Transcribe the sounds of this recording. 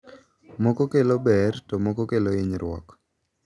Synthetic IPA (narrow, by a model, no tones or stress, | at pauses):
mɔkɔkelobɛrtɔmɔkɔkeloiɲɾwɔ̰k